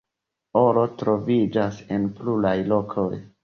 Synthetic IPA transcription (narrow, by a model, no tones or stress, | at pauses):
o̞lo̞tɾo̞vid͡ʒase̞nplulajlo̞kʰoj